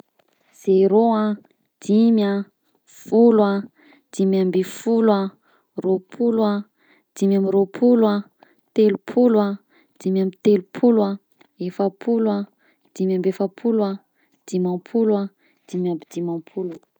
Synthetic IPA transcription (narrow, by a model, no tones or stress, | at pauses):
z̥eɾoa | d̪̥imja | fulwa | d̪̥imambifulwa | ropʰulwa | d̪̥imjamiɾopʰulua | t̪elupʰulwa | d̪̥imjamit̪elupʰulwa | efapʰulwa | d̪̥imjambefapʰulwa | d̪̥imãpʰulwa | d̪̥imjambid̪̥imãpʰulu